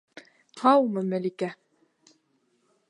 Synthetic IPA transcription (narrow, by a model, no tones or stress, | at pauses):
hɑwmɤmæ̆likæ